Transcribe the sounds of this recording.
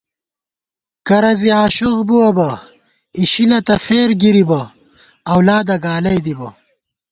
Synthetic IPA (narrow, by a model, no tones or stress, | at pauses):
kɐɾɐziaːɕuɣbuɐbɐ | iɕilɐt̪ɐfeːɾɡiɾibɐ | ɐwlaːd̪ɐɡaːlɐjd̪ibɐ